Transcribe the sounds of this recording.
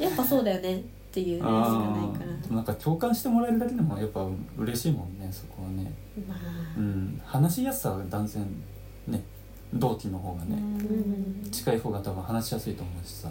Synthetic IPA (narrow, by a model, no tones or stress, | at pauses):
japːasoːd̪ajo̞ne̞ | t̪ːe̞jɯ̟ːãanaikaɾad̪e̞monãŋkakʲʰo̞ːkãɰ̃ɕi̥t̪e̞mo̞ɾaeɾɯ̟d̪ak̬e̞d̪e̞mo̞japːaɯ̟̃ɯ̟ɾe̞ɕiːmõ̞nːe̞so̞ko̞βane̞ | ɯ̟̃ːɴhanaɕijasɨ̥sad̪ãnd͡zẽ̞n | ne̞ | d̪o̞ːt̪ʲino̞ɦo̞ːɡane̞̰ | t͡ɕi̥kaiho̞ːɡat̪abɯ̟̃hanaɕijasɨit̪o̞ːmoːɕi̥sa